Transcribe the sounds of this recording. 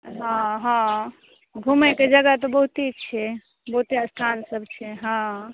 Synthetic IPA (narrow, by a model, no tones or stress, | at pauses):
ɦãɦã | ɡʱumɛked͡ʒəɡat̪ɔbəɦut̪it͡ʃʰɛ | bəɦut̪iəst̪ʰansəbʱt͡ʃʰɛɦã